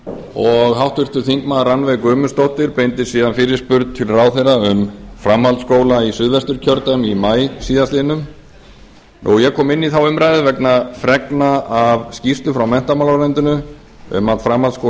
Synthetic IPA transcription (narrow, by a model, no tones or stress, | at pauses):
ɔɣhawht̪vʏr̥t̪ʏθiŋkmaðranvejkʏːmʏst̪owht̪ɪɾpejnt̪ɪsiːðanfɪːɾɪɾ̥spʏɾt̪̚t̪ʰɪlrawθejraʏmfɾamhalt̪skoːwlaisʏðvɛst̪ʏɾ̥cʰœɾt̪amimaːjsiːðast̪ɪːnʏm | nujɛɣkʰɔːmɪnːiθawʏmɾajðɪvɛknafɾɛknaavscist̪ʏfɾawmɛn̥t̪amalaɾɛnt̪ʏnʏ | ʏ̰mat̪fɾamhalt̪sko